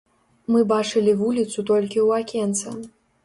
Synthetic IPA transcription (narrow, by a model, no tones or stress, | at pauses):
mɨbat͡ʂɨlʲivulʲit̪sut̪ɔlʲkʲiwakʲɛnt̪sɐ